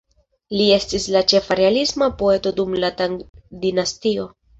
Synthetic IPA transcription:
lie̞stislat͡ʃe̞faɾe̞alismapo̞e̞to̞dumlatadinastio̞

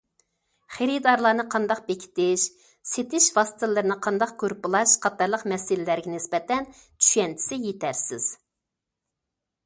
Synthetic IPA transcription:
χeɾid̪ɑɾlˠɑːnɨqʰɑnd̪ɑq̚bekʲʰi̥t̪ɪʃ | set̪ʰɪʃvɑst̪ʰɨlˠːɨɾɨnɨqʰɑnd̪ɑq̚køɾpɨlˠɑʃqʰɑt̪ɑɾlˠəqmɛsɪlɪlæɾɡʲɛnɪsbɛt̪ɛn | t͡ʃʰy̥ʃɛnt͡ʃ̪ʰɪ̥sɪjet̪ʰæɾsɪz̥

